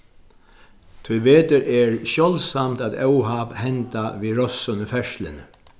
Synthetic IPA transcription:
t̪ʰʊjʋeːt̪əɾʔɛɹʃjɔlsamt̪aːt̪œwɦaphɛnt̪aʋiːɾɔsːʊnəfɛʂlɪ̰n

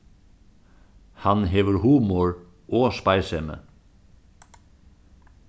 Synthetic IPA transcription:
hɑnɦeːʋəɾhuːmɔɹ | ʔoːspɑɪsɛmə̰

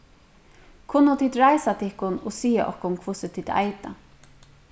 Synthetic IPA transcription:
kʰʊnːʊt̪ʰiːd̪ɾajsat̪ʰɪhkʊnɔsiːaʔɔ̰hkʊnkʰvʊsɪt̪ʰiːd̪a̰jt̪a

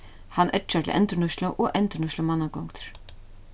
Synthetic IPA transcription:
hanʔɛt͡ʃat̪ʰɪ̰lʔɛ̰nt̪ɪɳʊʃt̪laʔɔʔɛnt̪ɪnʊʃlamanːakɔŋkt̪ʰɾ̥

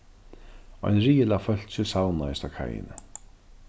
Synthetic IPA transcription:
ɔ̰jnɾiːjɪlafœl̥t͡ɕɪsawnaɪst̪akʰa̰jɪ̰nɪ̰

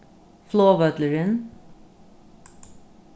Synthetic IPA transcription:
floːʋœt̪ləɾən

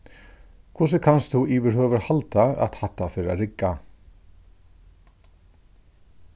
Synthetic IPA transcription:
kʰvʊs̬əkʰanst̪uiːʋɪɾhœːʋəɾhalt̪aa̰t̪hat̪ːafɪɾa̰ɾɪkːa

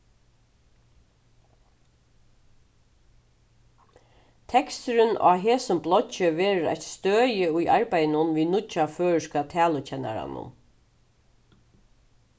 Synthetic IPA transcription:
t̪ʰɛkst̪ʏɾʏnʔa̰ːɦeːsʊmblɔt͡ʃɪʋeːɹəɾa̰çt̪st̪øːjɪʊjʔaɹpæjnʊnʋiːnʊt͡ʃaføːɹɪʂkat̪ʰæːlʊt͡ʃʰɛnːa̰ɾa̰nʊ̰n

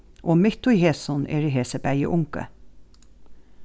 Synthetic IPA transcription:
ʔoːmɪt̪ʊjheːsɔnḛːɾiɦeːsəbæjə̰ʔʊŋkə̰

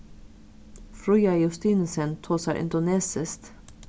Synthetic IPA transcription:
fɾʉjɑjʊst̪iːnsənt̪ʰoːsæɾʔɪ̰nd̪ʊneːsəst̪

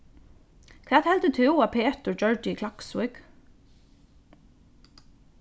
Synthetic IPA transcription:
kʰvɛːt̪hɛlt̪ɪt̪ʰʏwapʰeːt̪ʊɹt͡ʃœɹt̪ɪikʰlaksʊk

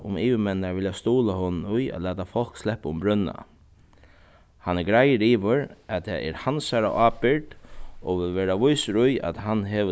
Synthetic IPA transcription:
ʊ̰miːʋəmɛnːaɹʋɪljast̪uːlahonnʊja̰t̪læːt̪afɔl̥kslɛhpaʊmbɾʏnːa̰ | hanɛɹɡɾajəɾiːʋʊɾat̪ʰɛːʔɛ̰ɾhansaɾa̰ʔaːpɪɹd̪oʋɪlʋeːɾaʋʊjsɾʊja̰t̪ɦanɦɛʋə

